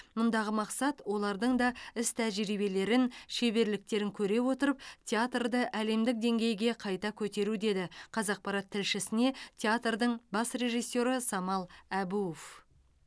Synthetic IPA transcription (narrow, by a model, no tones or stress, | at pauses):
mʊnd̪ɑʁəmɑqsɑt̪wo̞lˠɑɾd̪əɴd̪ɑɪst̪ʰæʒiɾibe̞le̞ɾɪnʃe̞βe̞ɾlɪk̚t̪e̞ɾɪŋkʲʰɵɾe̞wo̞t̪əɾəp̚t̪ʲʰeat̪rd̪əʔæle̞md̪ɪk̚d̪e̞ŋɡʲe̞jɡʲe̞qʰɑjt̪ɑkʲʰɵt̪e̞ɾud̪e̞d̪ɪqʰɑzɑq̚pɑɾɑt̪ʰːɪlʃɪsɪne̞t̪ʲʰeat̪rd̪əɴbɑsre̞ʒijsːo̞ɾəsɑmɑlˠæbuof